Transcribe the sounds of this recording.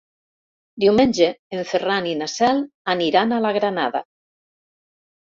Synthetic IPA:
d̪iwmenʲd͡ʒeːɱferaninasɛlaniɾanalaɣɾanaða̰

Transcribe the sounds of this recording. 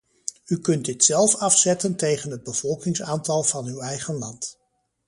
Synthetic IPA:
ykɵnt̚dɪtsɛlˠfɑfsɛtəntejχənɦəd̚bəv̥ɔlˠkɪŋsaːntɑlˠvɑnywɛjχənlɑnt

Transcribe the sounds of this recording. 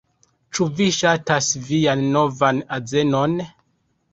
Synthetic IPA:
t͡ʃuviʃatasvijanːo̞vanaze̞no̞n

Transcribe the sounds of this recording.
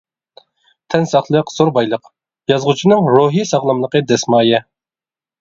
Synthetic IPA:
t̪ʰɛnsɑχlˠəqsoɾbɑjlˠəq | jɑzʁut͡ʃʰinɨŋɾoɦisɑʁlˠɑmlˠəqəd̪ɛsmɑːjɛ

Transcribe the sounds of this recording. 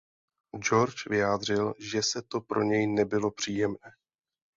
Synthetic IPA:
d͡ʒo̞ɾt͡ʃvɪjaːd̪r̝ɪlʒɛsɛt̪o̞pɾʔo̞ɲɛjnɛbɪlo̞pr̝̥iːjɛmnɛː

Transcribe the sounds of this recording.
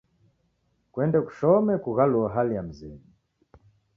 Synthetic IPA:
kwɛndɛku̥ʃɔmɛkuɣaluaɦalijam̩zɛmi

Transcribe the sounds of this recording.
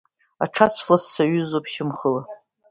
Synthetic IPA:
aʈ͡ʂʰat͡sʷʰlassaɥʊzopʰʃɪmχəla

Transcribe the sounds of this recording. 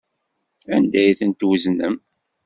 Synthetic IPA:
ænd̪æjθənt̪wəznəm

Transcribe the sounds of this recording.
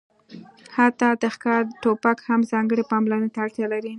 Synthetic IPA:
hat̪ɑd̪əxkɑɾʈopakhamzɑŋɡəɽepɑmlanet̪aːɽt̪jalaɾi

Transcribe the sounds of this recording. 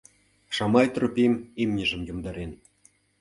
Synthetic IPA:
ʃɑmɑjt̪ropʲimemnʲə̆ʒə̆mjomd̪ɑɾen

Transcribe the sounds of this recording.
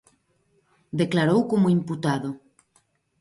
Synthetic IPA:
d̪eklaɾowkomoimput̪aðo

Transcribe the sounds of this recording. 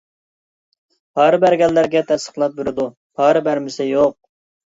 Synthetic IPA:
pʰɑɾɨbæɾɡʲɛlːæɾɡʲɛt̪ʰɛsə̥χlˠɑt̪̚bɪɾɪd̪u | pʰɑɾɨbæɾmɪsɪjoq̚

